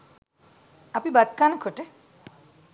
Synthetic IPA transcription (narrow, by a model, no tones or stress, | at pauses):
apibad̪̚kankʰoʈe